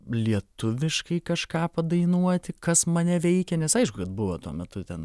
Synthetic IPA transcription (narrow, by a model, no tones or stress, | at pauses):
lʲiɛt̪ʊʋʲɪʃkɐɪkɐʃkɑːpɐd̪ɐɪnuɔt̪ʲɪkɐsmɐnʲɛʋʲɛɪkʲɛnʲɛsɐɪʃkʊkɐt̪̚bʊʋɐt̪uɔmʲɛt̪ʊt̪ʲɛn